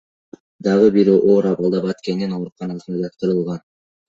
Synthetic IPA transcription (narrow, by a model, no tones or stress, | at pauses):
d̪ɑʁɯbiɾʔoːɾɑβɑlˠd̪ɑbɑt̪ke̞nd̪ino̞ɾuqɑnɑsɯnd̪ɑd͡ʒɑt̪̚qɯɾɯlˠʁɑn